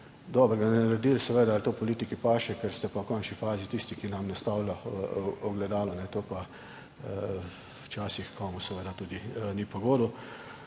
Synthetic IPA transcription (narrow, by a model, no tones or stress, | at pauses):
d̪ɔːbəɾɡanɛɾɾd̪iːlsɛʋeːd̪aːlt̪opɔliːt̪ikipaːʃɛkɛɾst̪ɛpɔkɔnt͡ʃnifaːzit̪iːst̪ikinamnast̪aːwlʲaɔɡlɛd̪aːlɔnɛt̪oːpa | wt͡ʃaːsixkʰɔːmusɛʋeːd̪at̪uːd̪inipoɡoːd̪u